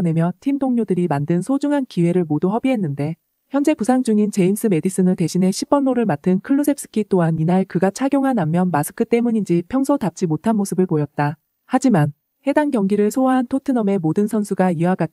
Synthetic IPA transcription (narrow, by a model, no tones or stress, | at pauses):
ne̞mjʌtʰimdoŋɲodɯɾimandɯnsʰod͡ʑuŋɦankiwe̞ɾɯɭmoduɦʌbiɦe̞nːɯnde̞ | çjʌnd͡ʑe̞pusʰaŋd͡ʑuŋint͡ɕe̞ins͈ɯme̞dis͈ɯnɯɭte̞ɕʰinɦe̞ɕʰip̚p͈ʌnːoɾɯɭmatʰɯnkʰɯɭːosʰe̞p̚s͈ɯ̥kʰit͈oɦaninaɭkɯɡat͡ɕʰaɡjoŋɦanamːjʌnmasʰɯ̥kʰɯt͈e̞muɲind͡ʑipʰjʌŋsʰotap̚t͡ɕ͈imotʰanmosʰɯbɯɭpojʌt̚t͈a | had͡ʑiman | he̞daŋɡjʌŋɡiɾɯɭsʰoaɦantʰotʰɯnʌme̞modɯnsʰʌnsʰuɡaiaɡa